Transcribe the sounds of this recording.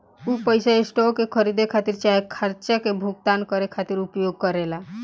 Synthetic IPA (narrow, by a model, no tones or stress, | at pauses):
upəjsaesʈokekʰəɾid̪ekʰat̪iɾt͡ʃaɦekʰəɾt͡ʃakebʱuɡ̚t̪ankəɾekʰat̪iɾupjoɡ̚kəɾela